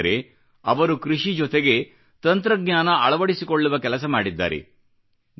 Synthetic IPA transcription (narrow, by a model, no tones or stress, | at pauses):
ɾḛ | ɐʋɐɾukɾiʂid͡ʒɔt̪eɡe̞ | t̪ɐnt̪ɾɐɡɲaːnɐɐɭɐʋɐɽisikoɭːuʋɐkɛlɐs̬ɐmaːɽid̪ːa̰ːɾḛ